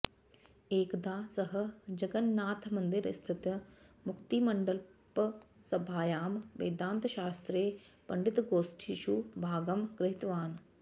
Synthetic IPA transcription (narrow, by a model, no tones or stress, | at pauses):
eːkd̪aːsɐɦɐ̆d͡ʒɐɡɐnːaːt̪ʰmɐnd̪ɪɾ̰st̪ʰit̪jɐmʊkt̪imɐɳɖəlpɐsɐbʱaːjaːmʋḛːd̪aːnt̪ʃaːst̪ɾeː | pɐɳɖɪt̪ɡoːsʈʰiʃubʱaːɡɐmɡɾɪɦɪt̪ʋaːn